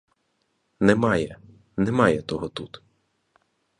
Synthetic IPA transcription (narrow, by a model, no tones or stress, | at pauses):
nɛmɑjɛ | nɛmɑjɛt̪ɔɦɔt̪ut̪